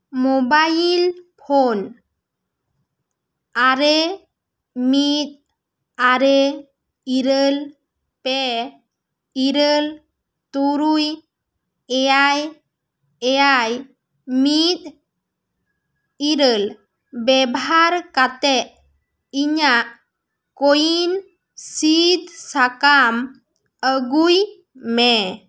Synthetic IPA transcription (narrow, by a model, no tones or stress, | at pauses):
mɔbajilpʰɔn | aɾɛ | mit̪̚ | aɾɛ | iɾəl | pɛ | iɾəl | t̪uɾuj | ɛjaj | ɛjaj | mit̪̚ | iɾəl | bɛbaɾkat̪ɛʔ | iɲaʔ | kojin | sid̪sakam | əɡuj | mɛ